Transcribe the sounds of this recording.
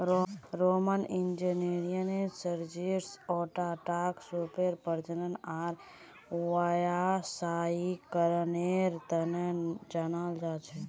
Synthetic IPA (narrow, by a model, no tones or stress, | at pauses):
ɾomənind͡ʒəneɾijənesəɾd͡ʒiɾsɔʈaːʈaksupeɾpəɾd͡ʒənənaːɾ | ajasaikəɾneɾt̪ənd͡ʒanaːld͡ʒaːt͡ʃʰɛ